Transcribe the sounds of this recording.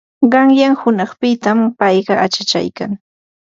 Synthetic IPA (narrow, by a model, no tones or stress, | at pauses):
ɢɑŋjaŋhʊnɑχpɪt̪ampɑjɢɑʔat͡ʃat͡ʃa̰jka̰ŋ